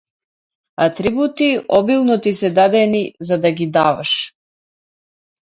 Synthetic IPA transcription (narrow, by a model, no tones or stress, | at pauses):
at̪ɾibut̪iɔbilˠnɔt̪isɛd̪ad̪ɛnizad̪aɡid̪avaʃ